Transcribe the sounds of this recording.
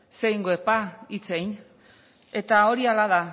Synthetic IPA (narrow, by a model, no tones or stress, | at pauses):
sejŋɡoepait͡sejn | e̞t̪ao̞ɾialað̞a